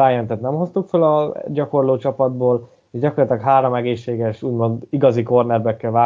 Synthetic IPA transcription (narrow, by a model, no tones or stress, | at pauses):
aːjɛnt̪ɛt̪nɛmho̞st̪ukfølɒɟɒko̞rloːt͡ʃɒpɒd̪̚boːl | eːʒɟɒkorlt̪ilɛkɦaːɾo̞mɛɡeːʃːeːɡɛʃuːɟmo̞nd̪iɡɒziko̞rnɛrbɛkːɛlvaː